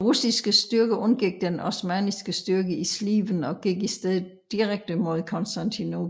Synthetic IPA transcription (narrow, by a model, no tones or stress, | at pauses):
ʁusisɡ̥əsd̥yɐɡ̥əʔɔ̽nɡ̥eɡ̥̚d̥enɒsmænisɡ̥əsd̥yɐɡ̥əisliːʋn̩ɒ̽ɡ̥iɡ̥isd̥eðˠ | d̥iʁeɡ̥̚d̥əmo̝ðˠkʰɒ̽nsd̥ænt͡sʰino